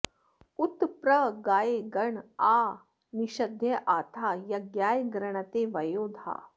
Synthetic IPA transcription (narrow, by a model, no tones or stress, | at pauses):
ut̪pɾəɡajeɡəɳa | niɕəd̪ʱjəʔat̪ʰajaɡjajɡɾəɳ̃at̪eʋəjod̪ʱa̰